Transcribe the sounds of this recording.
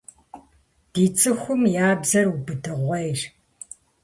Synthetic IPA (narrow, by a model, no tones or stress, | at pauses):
d̥iːt͡sʼɨxʷʊmjaːbzɐrubɨdɨʁʷɐjr